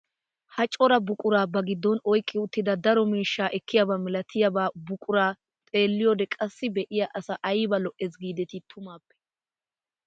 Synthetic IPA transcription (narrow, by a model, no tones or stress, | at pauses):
hɐt͡ʃʼɔɾɐbʊkʼʊɾaːbɐɡɪd̪ːɔnɔjkʼːɪʊt̪ːɪd̪ɐd̪ɐɾɔmiːʃːaːʔɛkːɪjɐbamɪlɐt̪ʰɪjɐbaːbʊkʼʊɾaː | t̪ʼe̞ːlːɪjɔd̪ɛkʼɐsːɪbɛʔɪjɐʔɐsɐʔɐjbɐlɔʔɛsɡiːd̪ɛt̪ɪt̪ʰʊmaːpːɛ̥